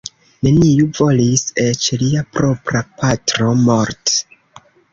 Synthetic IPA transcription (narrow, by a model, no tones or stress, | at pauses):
ne̞nijuvo̞lise̞t͡ʃliapɾo̞pɾapatɾo̞mo̞ɾt